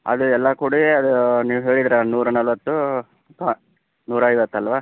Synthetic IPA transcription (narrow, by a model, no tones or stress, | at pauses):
ɐ̰d̪uɛlːɐkuːɽiɐd̪uniːʋuɦe̞ːɭid̪ɾanuːɾɐnɐlʋɐt̪ːu | t̪ | nuːɾɐɐjʋɐt̪ːɐlʋaː